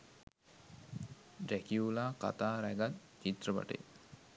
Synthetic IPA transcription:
rækiulaːka̰t̪aːɾæɡat̪ | t͡ʃit̪rəpa̰ʈə̰

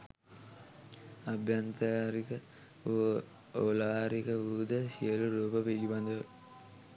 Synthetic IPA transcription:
ɐbʱjant̪ɐaːɾikə | olaːɾikəʋud̪əsijəluɾuːpəpiɾiband̪əʋə

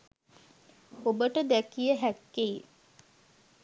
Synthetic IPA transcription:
obəʈəd̪ækijəɦækːei

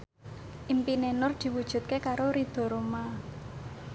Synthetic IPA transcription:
ʔimpinenʊrd̪̥i̤wud̥ʒ̥ṳt̪̚kekaɾoɾid̪̥ɔ̤ɾoma

